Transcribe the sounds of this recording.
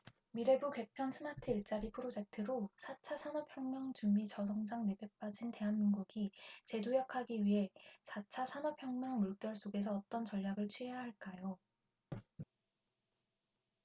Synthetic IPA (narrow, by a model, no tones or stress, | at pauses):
miɾe̞bukwe̞pʰjʌnsʰɯmatʰɯiɭt͡ɕ͈aɾipʰɯɾod͡ʑe̞k̚tʰɯɾosʰat͡ɕʰasʰanʌpʰjʌŋmjʌŋd͡ʑumit͡ɕʌs̬ʰʌŋd͡ʑaŋne̞bjep͈ad͡ʑinte̞ɦanmiŋɡuɡit͡ɕe̞dojakʰaɡiɥiɦe̞t͡ɕat͡ɕʰasʰanʌpʰjʌŋmjʌŋmuɭk͈jʌɭs͈oɡe̞s̬ʰʌːt͈ʌnt͡ɕʌʎːjaɡɯɭt͡ɕʰɥiɦejɦaɭk͈ajo